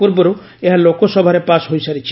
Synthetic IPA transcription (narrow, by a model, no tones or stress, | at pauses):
uɾbɔɾu | eɦalokosɔbʱaɾepasɦojsaɾit͡ʃʰi